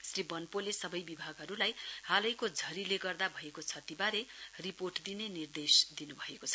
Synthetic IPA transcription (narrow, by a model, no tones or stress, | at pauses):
sribʌnpolesʌbʌjbibʱaɡʱɦʌɾulajhalʌjkod͡zʱʌɾileɡʌrd̪abʱʌekot͡sʰʌt̪ibaɾeriporʈd̪inenird̪esd̪inubʱʌekot͡sʰʌ̥